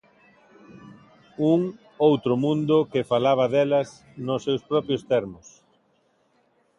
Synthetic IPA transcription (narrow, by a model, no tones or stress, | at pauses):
uŋ | owt̪ɾʊmũnd̪ʊkɪfalaβ̞ɐðelɐs | nʊsːewspɾɔpɾjʊst̪ɛɾmʊs